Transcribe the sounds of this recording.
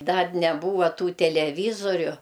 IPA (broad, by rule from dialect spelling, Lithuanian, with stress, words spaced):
ˈdɐr nʲɛˈbuːʋɐ ˈtuː tʲɛlʲɛˈʋʲiːzoːrʲʊ